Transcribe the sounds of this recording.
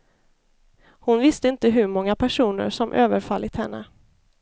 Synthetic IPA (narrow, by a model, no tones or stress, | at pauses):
hʊnvɪst̪əɪnt̪əɦɵɾmɔŋːapʰæʂuːnə̰ɾʂɔmʔøːvəɾfalːɪt̪hɛnːə̰